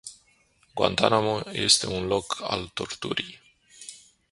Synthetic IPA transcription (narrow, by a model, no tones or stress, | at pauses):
ɡwa̰nt̪anamoje̞̰st̪e̞unlo̞kʰa̰lt̪o̞rt̪uɾij